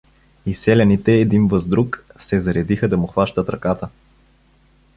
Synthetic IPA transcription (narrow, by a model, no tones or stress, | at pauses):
isɛlʲɐnit̪ɛːd̪invɐzd̪ɾuksɛzɐɾɛd̪ixəd̪ɐmʊxvaʃt̪ət̪ɾɐkat̪ə